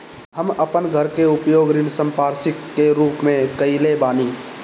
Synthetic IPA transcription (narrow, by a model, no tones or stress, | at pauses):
həməpənɡʱəɾkeʊpjoːɡɾɪnsə̃mpaːɾsɪkːeɾuːpmẽkəilebaːniː